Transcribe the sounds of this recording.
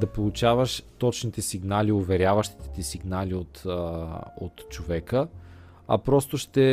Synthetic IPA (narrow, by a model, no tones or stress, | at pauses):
d̪ɐpolˠʊt͡ʃavəʃt̪ɔt͡ʃnit̪ɛsiɡnaliovɛɾʲjavɐʃt̪i̥t̪ɛ̥t̪ɛsiɡnaliot̪ | o̰t̪t͡ʃovɛkə | ɐ̰pɾɔst̪oʃt̪ɛ